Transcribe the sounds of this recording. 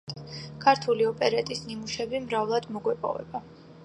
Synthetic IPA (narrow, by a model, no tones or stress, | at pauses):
kʰaɾt̪ʰuliɔpʼɛɾat̪ʼisnimuʃɛbimɾavlˠad̪mɔɡwɛpʼɔ̰vɛ̰ba